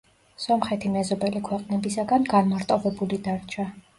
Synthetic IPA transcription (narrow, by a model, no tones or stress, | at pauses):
sɔmχɛt̪ʰimɛzɔbɛlikʰwɛqʼnɛbisaɡanɡanmaɾt̪ʼɔvɛbulid̪aɾt͡ʃʰa